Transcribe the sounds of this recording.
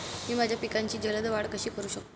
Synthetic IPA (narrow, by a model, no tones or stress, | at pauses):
miːmad͡ʑʱjapikaɲt͡ɕiːd͡ʑələd̪ʋaɽkəɕiːkəɾuːɕək̚